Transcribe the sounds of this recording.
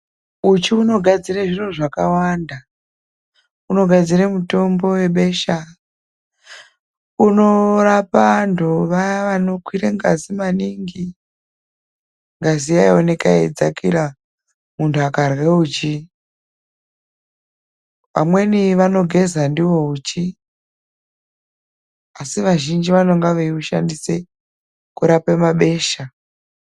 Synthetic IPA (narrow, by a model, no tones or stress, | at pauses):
ut͡ʃiuno̞ɡʱad͡zireʐiro̞ʐakawanda | uno̞ɡʱad͡ziremuto̞mbo̞we̞ɓe̞ʃa | uno̞rapandoʋajaʋano̞kwiɾeŋɡazimaniŋɡi | ŋɡaziaio̞ne̞kaḛd͡zakira | muntʰuakarwe̞ut͡ʃi | ʋa̰mwe̞niʋano̞ɡʱe̞zandiwo̞ut͡ʃi | asiʋaʒind͡ʒiʋano̞ŋɡaʋeiuʃandise | kuɾapemaɓe̞ːʃa